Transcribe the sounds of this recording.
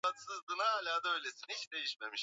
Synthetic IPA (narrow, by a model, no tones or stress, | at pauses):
at̪sɯzd̪ɯnhaːlʲaːd̪ø̞jlʲe̞sinihit͡ʃd̪e̞jiʃme̞miʃ